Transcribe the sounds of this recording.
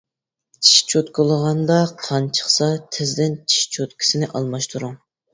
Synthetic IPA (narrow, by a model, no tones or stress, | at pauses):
t͡ʃʰi̥ʃt͡ʃʰot̪kʰʊlˠəʁɑnd̪ɑqʰɑnt͡ʃʰə̥χsɑt̪ʰɪzd̪ɪnt͡ʃʰi̥ʃt͡ʃʰot̪kʲʰi̥sɪnɪʔɑlˠmɑʃt̪ʰuɾuŋ